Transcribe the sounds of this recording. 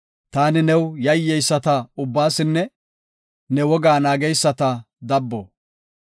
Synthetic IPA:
t̪aːnɪnɛwjɐjːɛjsːɐt̪ɐʊbːaːsɪnːɛ | nɛwɔɡaːnaːɡɛjsːɐt̪ɐ | d̪ɐbːɔ

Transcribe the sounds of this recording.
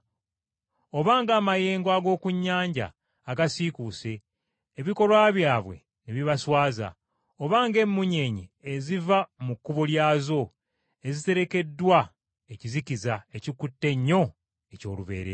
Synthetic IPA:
o̞βaːŋɡaːmaje̞ːŋɡwaɡo̞ːkuɲːaːɲɟa̰ː | ɡasikuse̞ː | βiko̞ɾwaːβjaːβwe̞̰ | neβiβaswaːza̰ | oβaːŋɡe̞mːuɲe̞ɲiezivamukːuβoljaːzo̞ | e̞zite̞ɾe̞ke̞dːwa | ecizicizaecikutːe̞ɲːo̞ | eco̞̰ːluβe̞̰ːɾḛɾ

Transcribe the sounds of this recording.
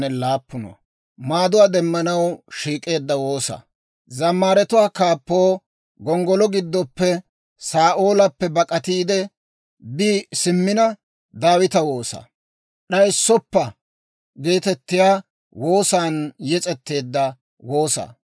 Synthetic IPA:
nɛlaːpːʊnɐ̰ | maːd̪ʊwaːd̪ɛmːɐnɐwʃiːkʼe̞ːd̪ːɐwo̞ːsɐ̰ | zɐmːaːɾɛt̪ʊwaːkaːpːo̞ː | ɡɔŋɡɔlɔɡɪd̪ːɔpːɛ | saːʔoːlɐpːɛbɐkʼɐt̪iːd̪ɛ | biːsɪmːɪnɐ | d̪aːwɪt̪ɐwo̞ːsɐ̰ | ɗɐjɪsːɔpːɐ | ɡe̞ːt̪ɛt̪ːɪjaː | wo̞ːsaːnjɛt͡sʼɛt̪ːe̞ːd̪ːɐ | woːsɐ̰

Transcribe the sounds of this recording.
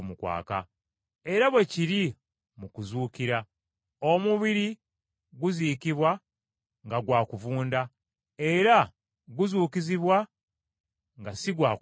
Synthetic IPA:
mukwa̰ːka̰ | e̞ɾaβwe̞ciɾi | mukuzuːkiɾa | o̞muβiɾi | ɡuziːkiβwa | ŋɡaɡwaːkuvuːnda | e̞ɾa | ɡuzuːkiziβwa | ŋɡasiɡwaː

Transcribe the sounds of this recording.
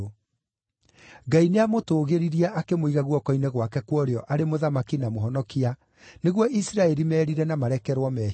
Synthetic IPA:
ɡaineamotoːɣeɾiɾiɛʔakemoiɣaɣwɔkɔinɛɣwakɛkwɔɾeɔʔaɾemoðamakinamoɦɔnɔkia | neɣwɔʔisɾaɛɾimɛːɾiɾɛnamaɾɛkɛɾwɔmɛ

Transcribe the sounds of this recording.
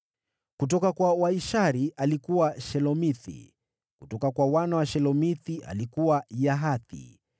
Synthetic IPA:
kut̬ɔkakwawaiʃaɾiʔalikuwaʃɛlɔmiθḭ | kutɔkakwawanawaʃɛlɔmiθiʔa̰likuwajaɦaθḭ

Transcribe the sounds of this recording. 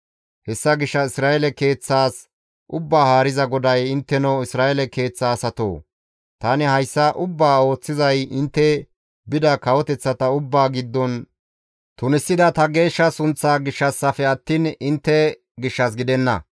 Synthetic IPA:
hɛsːɐɡɪʃːɐɪsɾaːɛlɛke̞ːt͡sːaːs | ʔʊbːaːhaːɾɪzɐɡɔd̪ɐjɪnt̪ːɛnɔɪsɾaːɛlɛke̞ːt͡sːaːsɐt̪o̰ː | t̪aːnɪhɐjsːɐʔʊbːaːo̞ːt͡sːɪzɐjɪnt̪ːɛ | bɪd̪ɐkɐwɔt̪ɛt͡sːɐt̪ɐʊbːaːɡɪd̪ːɔn | t̪ʊnɪsːɪd̪ɐt̪ɐɡe̞ːʃːɐsʊnt͡sːaːɡɪʃːɐsːɐfɛɐt̪ːiːnɪnt̪ːɛ | ɡɪʃːɐs̬ɡɪd̪ɛnːɐ̰

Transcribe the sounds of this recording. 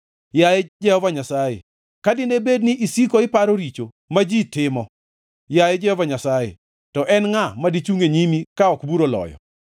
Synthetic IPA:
jajed͡ʒɛhɔvaɲasajḛ | kadɪnebedniʔisikoɪpaɾoɾit͡ʃo | mad͡ʒitɪmɔ | jajed͡ʒɛhɔvaɲasajḛ | tɔʔɛnŋamadit͡ʃuŋeɲimikaɔkbuɾolɔ̰jɔ̰

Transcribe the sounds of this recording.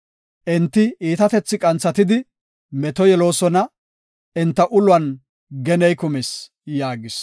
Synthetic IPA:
ʔɪnt̪ːɪiːt̪ɐt̪ɛt͡sːɪkʼɐnt͡sːɐt̪ɪd̪ɪ | mɛt̪ɔjɛlo̞ːsɔnɐ | ɪnt̪ːɐʔʊlwɐn | ɡɛnɛjkʊmɪs | jaːɡɪs

